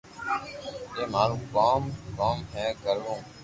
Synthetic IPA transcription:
jeːmaːɾũːkaːmkaːmɦɛːɡəɾʋõː

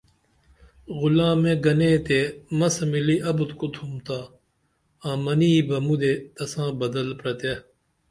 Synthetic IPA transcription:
ɣulãːmẽɡɐneːt̪emɐsmiliʔɐbt̪kot̪ʰumt̪aː | ãːmɐniːbɐmud̪et̪ɐsãːbɐd̪ɐlpɾɐt̪e

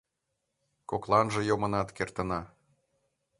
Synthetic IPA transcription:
koklˠɑnʒɤ̆jomɤ̆nɑt̪kert̪ə̆nɑ

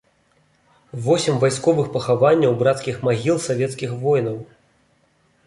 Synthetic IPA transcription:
vɔsʲimvajskɔvɨxpɐxavanʲːɐwbɾat̪skʲixmaɣʲilˠsavʲɛt̪skʲixvɔjnɐw

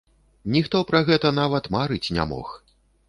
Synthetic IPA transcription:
nʲixt̪ɔpɾɐɣɛt̪ɐnavɐt̪maɾɨt͡sʲnʲa̰mɔ̰x

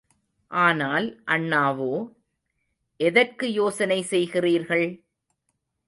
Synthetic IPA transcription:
ʔaːnaːlʔɐɳːaːʋoː | ʔɛðɐrkɯjoːsɐnɐɪsɛjɣɪriːɾɣɐɭ

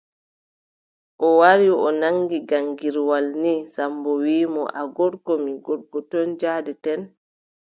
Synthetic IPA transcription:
ʔɔwaɾiɔnaŋɡiɡaŋɡiɾwalnisambɔwiːmɔ̰ʔaɡɔɾkɔmiɡɔɾɡɔtɔnd͡ʒaːdɛtɛn

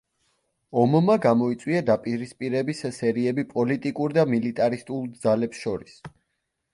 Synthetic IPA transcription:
ɔmmaɡamɔit̪sʼwiad̪apʼiɾispʼiɾɛbissɛɾiɛbipʼɔlit̪ʼikʼuɾd̪amilit̪ʼaɾist̪ʼulˠd̪zalɛpsʃɔɾis

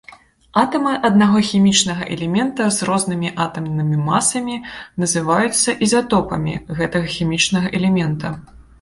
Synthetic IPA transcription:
at̪ɐmɨʔɐd̪̚naɣɔxʲimʲit͡ʂnɐɣɐʔɛlʲɛmʲɛnt̪ɐzrɔznɨmʲiʔat̪ɐmnɨmʲimasɐmʲinɐzɨvajut̪sːɐʔizat̪ɔpɐmʲḭɣɛt̪ɐɣɐxʲimʲit͡ʂnɐɣɐʔɛlʲɛmʲɛnt̪ɐ

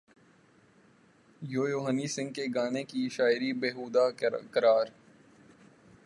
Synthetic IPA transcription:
joːjoːɦənisɪ̃ŋɡ̚keɡaːnekiʃaːɪɾibeːɦuːd̪akəɾaːɾ

